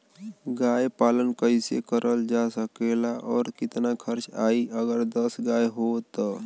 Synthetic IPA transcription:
ɡaːjpaːlənkəɪsḛkəɾʔəld͡ʒasəkelaʔɔːɾkɪt̪nakʰəɾt͡ʃa̰ːiəɡəɾd̪əsɡaːjɦot̪ɔ

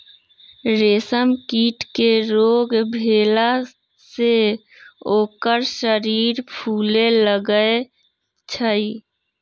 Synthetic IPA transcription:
ɾeːsəmkiːʈkeɾoːɡbʱeːla | se | oːkəɾʃəɾiːɾpʰuːleləɡəe | t͡ʃʰəi

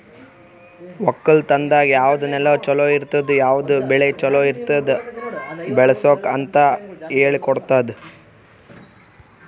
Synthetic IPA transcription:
ʋɔkːɐɭt̪ɐnd̪aːɡijaːʋɐd̪unɛlɐt͡ʃɔloːiɾt̪ɐd̪ujaːʋud̪ubɛɭet͡ʃɔloːiɾt̪ɐd̪ | bɛɭɐsoːkɐnt̪ɐeːɭikɔɽt̪aːd̪e

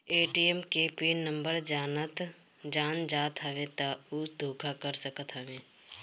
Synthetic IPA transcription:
eːʈiɛmkeːpiːnə̃mbəɾd͡ʒaːnət̪ | d͡ʒaːnd͡ʒaːt̪ɦɐʋẽt̪auːd̪ʱoːkʰakəɾsəkət̪ɦəʋẽː

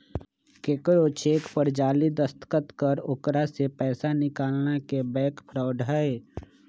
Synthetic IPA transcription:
kekɾot͡ʃeːkpəɾd͡ʒaːlid̪əst̪kət̪kəɾʊkɾasepɛːsanɪkaːlnakebɛːkpʰɾaʊɖʱaeː

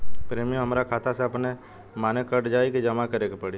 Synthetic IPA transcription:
pɾeːmiõɦəmɾakʰaːt̪ʰaseɐpne | maːnekəʈd͡ʒaːikid͡ʒəmakəɾeːkepɐɽi

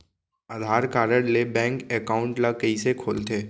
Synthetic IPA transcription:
ad̪ʱaːɾkaːɾəɽlebɛ̃ːŋkɛːkaːʊ̃ɳʈlakəisekʰoːlt̪ʰeː

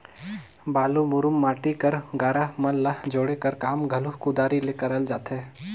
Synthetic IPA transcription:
baːlumʊɾʊmːaːʈikɐɾɡaːɾamɐlːɐɦd͡ʒoːɽekɐɾkaːmɡʱɐlʊɦkud̪aːɾileːkɐɾɐld͡ʒaːt̪e

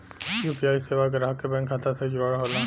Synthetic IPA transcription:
jupiaːjseʋaɡəɾaɦkebɛ̃ŋkʰːat̪ased͡ʒaɾɦola

